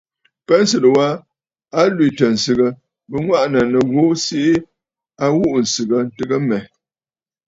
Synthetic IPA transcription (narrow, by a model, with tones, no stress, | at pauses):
pɛ˦n̩˦sɨ˨tə˨wa˦ | a˦lwi˨tə˨n̩˨sɨ˨ɣə˨ | bə˦ŋwa˦ʔnə˨nə˨ɣo˦si˦ʔi˦ | a˦wu˦ʔn̩˨sɨ˨ɡə˨n̩˨tɨ˦ɡə˦mɛ˨